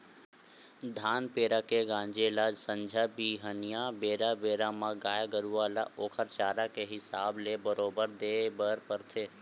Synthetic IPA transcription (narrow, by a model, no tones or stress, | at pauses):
d̪ʱaːnpeːɾaːkeɡãːɲd͡ʒeːlad͡ʒsə̃ɲd͡ʒʱabiːɦənijabeːɾabeːɾamãɡaːjaɡəɾuaːla̰ʔoːkʰəɾt͡ʃaːɾakeɦɪsaːblebəɾoːbəɾd̪eːbəɾpəɾt̪ʰeː